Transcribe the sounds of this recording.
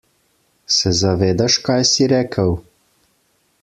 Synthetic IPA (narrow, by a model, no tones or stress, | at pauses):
sɛzaʋeːd̪aʃkajsiɾɛːkʰəw